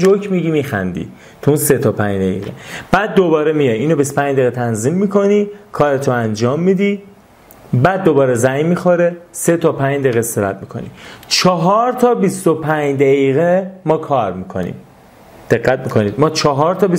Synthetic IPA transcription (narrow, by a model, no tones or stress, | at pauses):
d͡ʒokʰmiɟimiːxæ̰nd̪ḭː | t̪ʰuunset̪ʰɒːpʰæɲd̪æjḭɣḛb̥æːd̪̚ːobɒːɾemijɒjiːnobist̪o̥pæɲd͡ʒd̪eːɣet̪ʰænzimːiːkʰo̞niːkʰɒːɾet̪ʰoænd͡ʒɒːmːiːd̪iː | bæːd̪ːobɒːɾezæjmːixoɾeset̪ʰɒːpʰæɲd̪eɣeseɾæt̪̚mikʰo̞̰nḭt͡ʃʰɒːɦɒːɾt̪ʰɒːbist̪opʰæɲd̪æɣiːɣemɒːkʰɒːɾmikʰo̞̰nḭːm | d̪̥e̞ɣːæt̪mikʰo̞niːd̪̚mɒːt͡ʃʰɒɦɒɾt̪ʰɒːbi